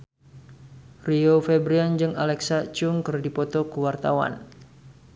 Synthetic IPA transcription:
riofɛbɾiand͡ʒɨŋalɛksat͡ʃuŋkərdipɔt̪ɔkəwart̪awa̰n

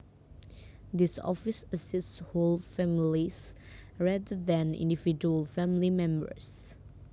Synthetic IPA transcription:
d̪ɪsɔ̰fɪsəsɪstsholfæmlis | ɹɛdədɛ̃nɪ̰̃ndivid͡ʒuəlfæ̃mlimɛ̃mbə̰ɹs

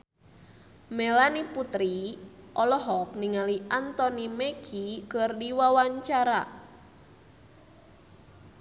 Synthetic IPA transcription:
mɛlaniput̪ɾiʔɔlɔɦɔk̚niŋaliʔant̪ɔnimeɡʰikərdiwawaɲt͡ʃaɾa

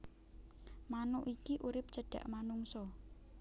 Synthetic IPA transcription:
manʊʔikiʔuɾɪp̚ʒ̥ə̤ɖ̥a̤̰ʔmanuŋsɔ

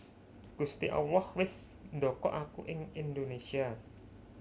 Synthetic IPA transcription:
ɡ̥ust̪ḭʔa̰wlɔhwɪsnd̪ɔkɔ̰ʔakuʔɪŋind̪onesia

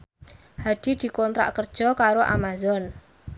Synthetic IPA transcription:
had̪̥i̤d̪̥i̤kɔnt̪ɾa̰ʔkərd̥ʒ̥ɔ̤kaɾoʔa̰mazɔn

